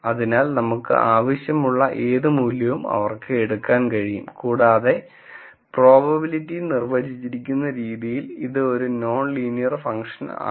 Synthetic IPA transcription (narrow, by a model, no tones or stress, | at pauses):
ɐðinaːlnɐmukːɨ̰ʔaːʋɐɕjɐmuɭːɐʔe̞ːðɨmuːljɐʋumɐ̰ʋɐrkɨeɽukːaːnkɐɻijṵmkuːɽaːðe̞ | pro̞ːbɐbilitːijnirʋɐɾit͡ɕːiɾikʲːunːɐɾiːðijiliðɨo̞ɾuno̞ːnliːnijɐrfɐŋʂɐna̰ː